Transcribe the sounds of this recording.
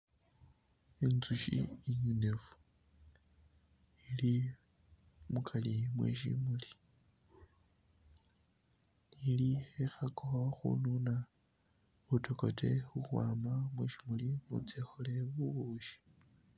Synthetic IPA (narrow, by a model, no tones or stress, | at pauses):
enzuʃḭːɲunefu̥ | ili | mukʰalimwḛʃḭmuli | iliexakoxṵnuna | βutʰokotʰe̞xuxwaːmamwḛʃimulimṵt͡sexole̞βuβuːʃi̥